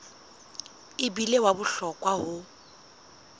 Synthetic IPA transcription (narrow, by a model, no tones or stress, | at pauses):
ɪbilewabʊɬɔkʼwaɦʊ